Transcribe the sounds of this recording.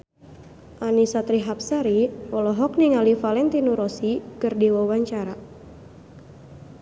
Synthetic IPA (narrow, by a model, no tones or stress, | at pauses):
ʔanisat̪ɾiɦap̚saɾiɔlɔɦɔk̚niŋalifalɛnt̪inuɾɔsikɨrdiwawaɲt͡ʃaɾa